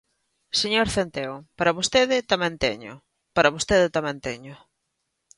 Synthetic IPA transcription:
seɲoɾθent̪eopaɾɐβost̪eðɪt̪amɛ̃nt̪ɛ̰ɲʊ̰ | paɾɐβost̪eðɪt̪amɛ̃nt̪ɛɲʊ

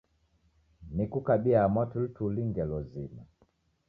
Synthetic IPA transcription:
nikukaɓiamɔtultuliŋɡɛlɔzima

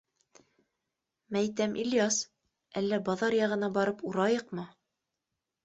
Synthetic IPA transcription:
mæjt̪æmʔilʲjɑs | ælːæbɑðɑɾjɑʁɤ̆nɑbɑɾɤpuɾɑjɤqmɤ

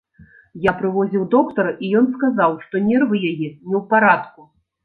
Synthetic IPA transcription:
japɾɨvɔzʲiwd̪ɔkt̪ɐrijɔnskazawʂt̪ɔnʲɛrvɨjajɛnʲɛwpaɾat̪ku

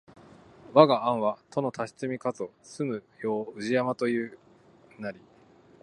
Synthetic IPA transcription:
βaɡaãɰ̃βat̪ʰo̞no̞t̪ʰaɕi̥t͡sɨmʲikazɨosɨmɯ̟jo̞ːɯ̟ʑiamat̪o̞jɯ̟ː | naɾʲi

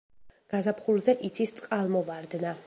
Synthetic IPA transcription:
ɡ̥azapχulzɛʔit̪sʰist̪sʼqʼalˠmɔvaɾd̪na

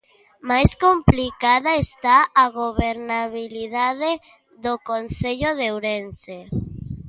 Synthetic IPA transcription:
majskomplikaðaest̪aaɣoβeɾnaβiliðaðe | ðokonθeʎoðewɾense

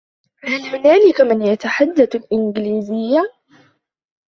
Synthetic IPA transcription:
halhʊnaːlɪkmɪnjat̪aħad̪ːaθalʔɪnɡliːzɪjːa

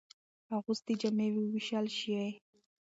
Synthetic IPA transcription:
aɣʊst̪id͡ʒamewiwiʃalʃiaj

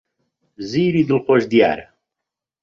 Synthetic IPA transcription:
ziːɾid̪ɨlqoʒd̪ija̰ːɾ

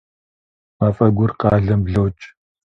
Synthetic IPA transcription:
mafɐɡʷʊrqɑːɮɐmbɮɐwt͡ʃʼ

